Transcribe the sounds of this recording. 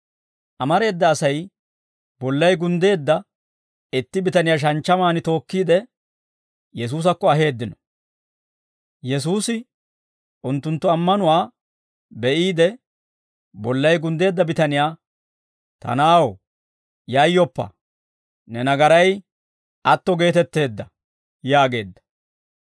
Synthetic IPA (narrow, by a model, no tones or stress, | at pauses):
ʔɐmɐɾe̞ːd̪ːɐːsɐj | bɔlːɐjɡʊnd̪e̞ːd̪ːɐ | ɪt̪ːɪbɪt̪ɐnɪjaːʃ̬ɐnt͡ʃːɐmaːnɪt̪o̞ːkːiːd̪ɛ | jɛs̬uːs̬ɐkːɔɐɦe̞ːd̪ːɪnɔ | jɛs̬uːsɪ | ʔʊnt̪ːʊnt̪ːʊɐmːɐnʊwaː | bɛʔiːd̪ɛ | bɔlːɐjɡʊnd̪e̞ːd̪ːɐbɪt̪ɐnɪjaː | t̪ɐ̰naːwɔ | jɐjːɔpːɐ̰ | nɛnɐɡɐɾɐj | ɐt̪ːɔɡe̞ːt̪ɛt̪ːe̞ːd̪ːɐ | jaːɡe̞ːd̪ːɐ̥